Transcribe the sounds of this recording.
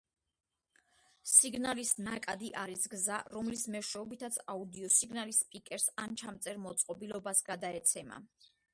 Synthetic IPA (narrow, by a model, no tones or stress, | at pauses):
siɡnalisnakʼad̪iʔaɾisɡzaɾɔmlismɛʃɛɔbit̪ʰat̪sʰaud̪iɔsiɡnalispʼikʼɛɾsant͡ʃʰamt̪sʼɛɾmɔt̪sʼqʼɔbilɔbasɡad̪aɛt̪sʰɛma̰